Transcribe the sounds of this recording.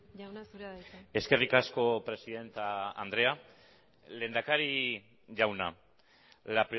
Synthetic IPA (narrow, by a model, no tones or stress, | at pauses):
awnasuɾe̞ske̞rikasko̞pɾe̞siðe̞nt̪aa̰nd̪ɾe̞a | le̞ːnd̪akaɾi | ʝawna | lapɾi